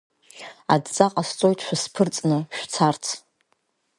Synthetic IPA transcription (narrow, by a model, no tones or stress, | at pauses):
adt͡sʼaqʼast͡sʼo̞jtʰʃʷᶣaspʰɨrt͡sʼnɨʃᶣt͡sʰart͡sʰ